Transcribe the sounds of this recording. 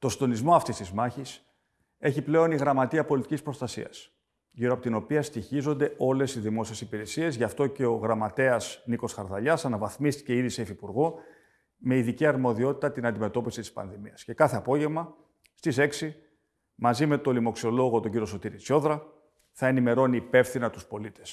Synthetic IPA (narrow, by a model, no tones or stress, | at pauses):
t̪o̞sind̪o̞nizmo̞ɐft̪ist̪izmɐçis | e̞çiple̞o̞niɣɾɐmɐt̪iɐpolit̪icʲispɾo̞st̪ɐsḭɐs | ʝiɾoɐpot̪ino̞piɐst̪içizond̪e̞o̞le̞siðimo̞sie̞sipiɾe̞sie̞zʝɐft̪o̞ce̞o̞ɣɾɐmɐt̪e̞ɐsniko̞sxɐɾðɐʎɐsɐnɐvɐθmist̪i̥ceiðise̞fipuɾɣo̞ | me̞iðiciɐɾmo̞ðio̞t̪i̥t̪ɐt̪inɐnd̪ime̞t̪o̞pisit̪i̥spɐ̰nðimiɐsce̞kɐθe̞ɐpo̞ʝe̞vmɐ | st̪ise̞ksi | mɐzime̞t̪o̞limo̞ksio̞lo̞ɣo̞t̪oɟiɾio̞so̞t̪iɾit͡so̞ðɾɐ | θɐe̞nime̞ɾo̞niːpe̞fθinɐt̪u̥spo̞lit̪e̞s